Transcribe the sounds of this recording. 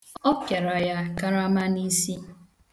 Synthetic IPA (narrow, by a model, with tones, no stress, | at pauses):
ɔ˦pja˨ɾa˨ja˦ka˦ɾa˦ma˦ni˦si˦